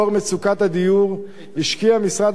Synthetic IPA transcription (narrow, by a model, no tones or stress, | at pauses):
oʁmet͡sukat̪had̪ijuʁ | hiʃkiamisʁad̪